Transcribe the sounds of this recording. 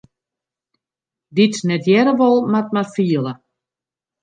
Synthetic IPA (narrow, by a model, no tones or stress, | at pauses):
ditnɛtjɛɾəʋɔlˠmat̚marfiəlˠə